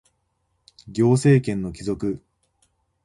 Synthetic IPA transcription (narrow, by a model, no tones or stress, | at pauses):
ɡʲo̞ːse̞ːkẽ̞nːo̞kʲizo̞kɯ̟